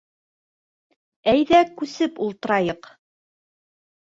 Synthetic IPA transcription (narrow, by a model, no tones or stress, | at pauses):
æjðækʉsɘpulˠt̪ɤ̆ɾɑjɤq